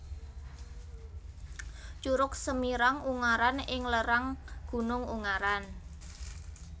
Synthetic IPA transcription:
t͡ʃuɾʊk̚səmiɾaŋuŋaɾanɪŋləɾaŋɡ̥ṳnʊŋṵŋaɾan

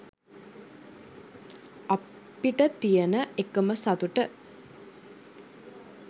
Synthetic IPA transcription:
a | piʈət̪ijənəekəməsat̪uʈə

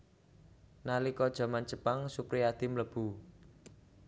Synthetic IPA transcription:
nalikɔd̥ʒ̥a̤mant͡ʃəpaŋsupɾiad̪̥imləb̥u

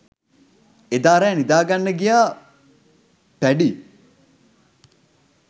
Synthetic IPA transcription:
ed̪aːɾeːnid̪aːɡanːəɡijaː | pæɖi

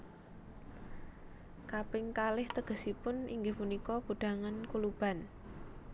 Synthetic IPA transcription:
kapɪŋkalɪht̪əɡ̥ə̤sipʊnḭŋɡɪhmunikɔɡ̥ṳɖ̥a̤ŋankulub̥a̤n

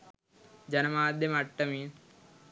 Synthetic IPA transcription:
d͡ʒɐnɐmaːd̪ʱjɐmɐʈːɐmi

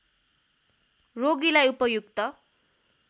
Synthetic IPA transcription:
roɡilajupʌjukt̪ʌ

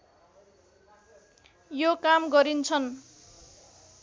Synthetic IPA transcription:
jokamɡʌɾint͡sʰʌn

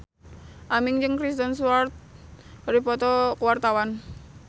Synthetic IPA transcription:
ʔamiŋd͡ʒɨŋkɾist̪ənsuart̪̚ɾipɔt̪ɔkuwart̪awan

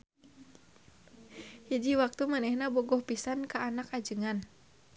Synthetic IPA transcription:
hid͡ʒiwak̚t̪umanɛhnabɔɡɔhpisankaːnakad͡ʒɨŋan

